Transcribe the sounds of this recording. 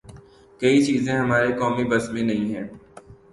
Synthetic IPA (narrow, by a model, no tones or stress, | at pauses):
kɐit͡ʃiːzẽɦɐmaːɾekɔːmibɐsmẽnɐɦĩɦɛ̃ː